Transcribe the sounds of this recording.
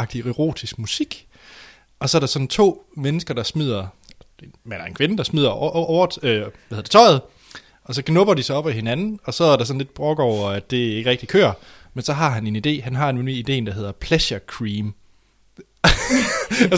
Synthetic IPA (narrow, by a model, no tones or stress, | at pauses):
ɑ̈ɡ̥̚d̥ieʁo̝̰ːdʰisɡ̥musiɡ̥ | ɒ̽sɒ̽æɐɾ̥ɑ̈sɒ̥̽n̩t͡sʰo̝̰ːmenəsɡ̥ɐd̥ɑ̈smið̰ˠɐ̥ | mænæɐe̝nkʰʋenəd̥ɑ̈smið̞̰ˠɐɒʊɐøʋæheðˠd̥̝t͡sʰɒ̽ɪð̞̩ˠ | ɒ̽sɒ̽ɡ̥nɔb̥ɐd̥isɑ̈ɒ̽b̥æhe̝nænn̩ɒ̽sɒ̽æɐɾ̥ɑsɒ̽nle̝d̥b̥ʁɔɡ̥ɒʊ̰ɐæd̥e̝e̝ɡ̥əʁɛɡ̥d̥ikʰø̰ːɐ | mensɒ̽ɦɑ̈ɦæne̝nid̥e̝̰ːɦænɦɑ̈e̝nenyid̥e̝̰ːn̩d̥ɑ̈ɦe̝ð̞̰ˠɐpʰleɕɐkʰʁiːm